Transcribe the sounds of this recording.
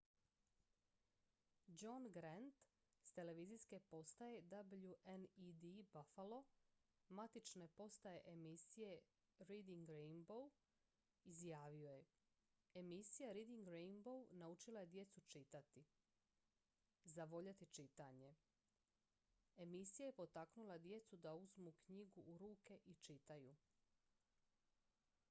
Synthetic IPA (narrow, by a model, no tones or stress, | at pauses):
d͡ʒonɡɾant̪ | st̪e̞le̞ʋizijske̞po̞st̪aje̞d̪abʎuʔenid̪ibafalˠo̞mat̪it͡ʃne̞po̞st̪aje̞ʔemisije̞ | ɾid̪iŋɡɾejnbow | izjaːʋio̞je | emisijaɾid̪iŋɡɾejnbownaut͡ʃilˠaje̞d̪je̞t̪sut͡ʃit̪at̪i | zaʋo̞ʎat̪it͡ʃit̪aɲe̞ | emisijajepo̞t̪aknulˠad̪je̞t̪sud̪auzmukɲiɡuʔːɾuːke̞ʔit͡ʃit̪aju